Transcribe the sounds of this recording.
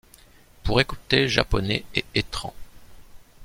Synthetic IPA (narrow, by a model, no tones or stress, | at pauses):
puʁekut̪eʒa̰pɔnɛeet̪χɑ̃